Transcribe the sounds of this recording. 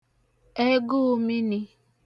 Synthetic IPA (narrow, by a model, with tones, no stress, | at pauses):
e˦ɡʊ˦mi˦ni˦